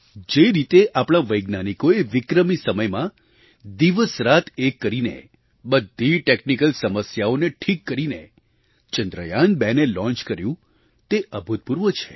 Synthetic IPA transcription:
d͡ʒeɾit̪eʔapɳ̃ãʋəjɡnanikoeʋɪkɾəmisəməjmã | d̪iʋəsɾat̪ʰekːəɾinḛ | bəd̪ʱːiʈeknikəlsəməsjaoneʈʰikːəɾinḛ | t͡ʃənd̪ɾə̰janbɛnelɔ̃nt͡ʃkəɾjũ | t̪eʔəbʱut̪̚puɾʋət͡ʃʰe̥

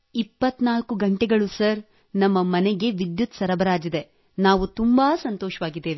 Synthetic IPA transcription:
ipːɐt̪ːnaːlkuɡɐɳʈɛɡɐɭusɐɾ | nɐmːɐmɐnɛɡe̞ʋid̪jut̪sɐɾɐbɐɾaːd͡ʒid̪e | naːʋut̪umbaːsɐnt̪ɔːʃɐʋaːɡid̪ːeːʋe

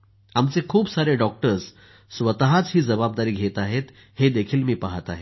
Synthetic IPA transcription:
amt͡sekʰuːbsaɾeɖɔk̚ʈəɾs | sʋət̪ɦat͡sɦiːd͡zəbab̚d̪aɾiːɡʱet̪aɦet̪ | hed̪ekʰiːlmiːpaɦət̪a̰ɦe

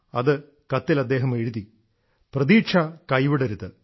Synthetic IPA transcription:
ɐðɨ | kɐt̪ːilɐd̪ːeːɦɐmeːɻuði | prɐðiːʈʂʰɐkɐjʋiɽɐɾuðːɨ

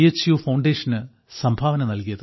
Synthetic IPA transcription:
et͡ɕːjufɐwɳɖe̞ːʂɐnɨ | sɐmbʱaːʋɐnɐnɐlkijɐðɨ

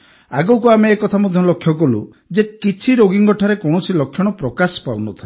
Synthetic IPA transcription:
a̰ɡowkuameːkɔt̪ʰamɔd̪ʱjɔlokʰːjɔkɔlṵ | d͡ʒekit͡ʃʰiɾoɡiŋɡɔʈʰaɾekɔɽ̃ɔsilɔkʰːjɔɽ̃ɔpɾɔkasɔ̥pa̰wnɔt̪ʰae

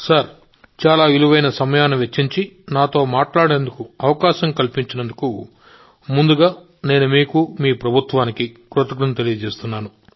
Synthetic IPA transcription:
saɾ | t͡ʃaːlaːiluʋɐjnɐsɐmɐjaːnuʋet͡ʃːiɲt͡ʃinaːt̪o̞ːmaːʈlaːɽe̞ːnd̪ukuɐʋɐkaːʃɐmkɐlpiɲt͡ʃinɐnd̪uku | mund̪uɡaː | ne̞ːnumiːkumiːpɾɐbʱut̪ʋaːnikikɾut̪ɐɡɾɐnt̪e̞lijɐd͡ʒe̞ːst̪unːaːnu

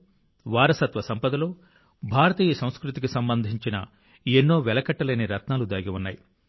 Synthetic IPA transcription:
ʋaːɾɐsɐt̪ʋɐsɐmpɐd̪ɐlo̞ː | bʱaːɾɐt̪iːjɐsɐ̃w̃skɾut̪ikisɐmbɐnd̪ʱiɲt͡ʃinɐ̰ | enːo̞ːʋɛlɐkɐʈːɐleːniɾɐt̪naːlud̪aːɡiʋunːaːji

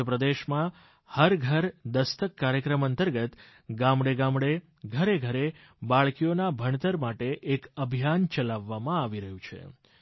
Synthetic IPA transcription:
əpɾəd̪eʃmã | həɾɡʱəɾd̪əst̪əkːaɾjəkɾəmənt̪əɾɡət̪ | ɡãmɽeɡãmɽe | ɡʱəɾeɡʱəɾe | baɭkijonabʱəɳt̪əɾmaʈeʔekəbʱijant͡ʃəlaʋːamãaʋiɾəɦjũt͡ʃʰḛ

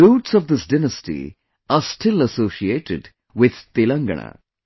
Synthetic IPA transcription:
luːʈsɔʋd̪ɪsdɪnəsʈḭ | asʈɪlɐsoːʃieːʈɪɖ | wɪd̪̥t̪ɪlɐ̃ŋɡɐ̰ɳa̰

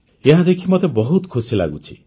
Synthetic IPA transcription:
eɦad̪ekʰimɔt̪ebɔɦut̪kʰusila̰ɡut͡ʃʰi̥

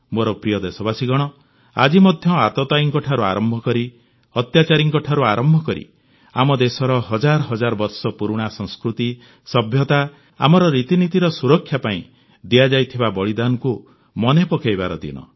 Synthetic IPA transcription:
moɾɔpɾijɔd̪esɔbasiɡɔɽ̃ɔ | a̰d͡ʒimɔd̪ʱjɔat̪ɔt̪aiŋkɔʈʰaɾua̰ɾɔmbʱɔkɔɾi | ɔt̪jat͡ʃaɾiŋkɔʈʰaɾuaɾɔmbʱɔkɔɾḭ | a̰mɔd̪esɔɾɔɦɔd͡ʒaɾɦɔd͡ʒaɾɔbɔɾsɔpuɾuɽ̃asɔ̃ŋskɾut̪i | sɔbʱjɔt̪a | a̰mɔɾɔɾit̪init̪iɾɔsuɾɔkʰːjapaĩ | d̪ijad͡ʒajt̪ʰibabɔɭid̪anɔku | mɔnepɔkejbaɾɔd̪ḭnɔ̰

